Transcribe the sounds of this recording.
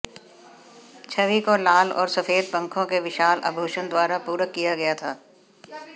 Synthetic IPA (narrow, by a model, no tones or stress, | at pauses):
t͡ʃʰɐʋikolaːlɔ̰ːɾsɐfeːd̪pɐ̃ŋkʰõkeʋɪʃaːlʔɐ̰bʱuːʃənd̪waːɾapuːɾəkːijaɡɐjat̪ʰaː